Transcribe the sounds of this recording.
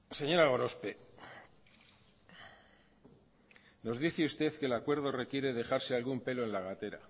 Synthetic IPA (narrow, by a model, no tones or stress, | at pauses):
se̞ɲo̞ɾaɣo̞ɾo̞spe | no̞zðiθeust̪e̞θkelakwe̞ɾð̞o̞re̞kje̞ɾe̞ðe̞xaɾse̞alɣumpe̞lo̞e̞nlaɣ̞at̪e̞ɾa̰